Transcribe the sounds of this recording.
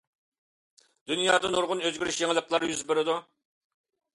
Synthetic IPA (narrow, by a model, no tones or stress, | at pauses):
d̪̥ynjɑːd̪ɑnoɾʁʊnøzɡʲyɾyʃjeŋɪlˠəqlˠɑɾjyzbeɾɪd̪u